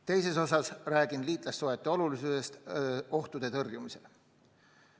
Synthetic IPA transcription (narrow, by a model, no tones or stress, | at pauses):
t̪e̞jse̞so̞sɑsræːɡ̥inliːt̪ˑlɑsːoet̪ːˑeo̞lulisuse̞st̪o̞ht̪ud̪e̞t̪ɤrjumise̞̰l